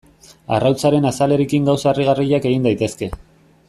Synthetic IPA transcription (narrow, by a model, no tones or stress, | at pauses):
a̰rawt͡saɾe̞nasale̞ɾekiŋɡawsaeriɣ̞ariʎake̞ɣ̞ind̪ajt̪e̞ske̞